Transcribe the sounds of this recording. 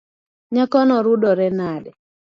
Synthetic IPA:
ɲakɔnɔɾudɔɾɛnadɛ

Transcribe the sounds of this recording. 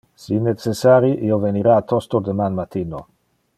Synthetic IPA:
sinet͡sesaɾiʔioveniɾaːt̪ost̪od̪emanmat̪ino

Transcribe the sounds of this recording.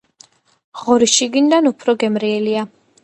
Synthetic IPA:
ʁɔɾiʃiɡind̪anupʰɾɔɡɛmɾiɛlia

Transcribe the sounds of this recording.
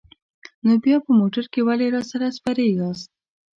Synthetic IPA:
nobjɑpəmoʈaɾkewaleɾɑsaɾaspaɾeɡɑst̪̚

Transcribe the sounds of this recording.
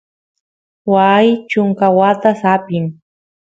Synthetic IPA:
wajt͡ʃʊŋkawat̪asapɪŋ

